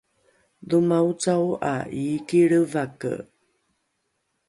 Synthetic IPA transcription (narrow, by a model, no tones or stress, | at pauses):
dumaut͡sawa̰ʔikiɭəvakə̰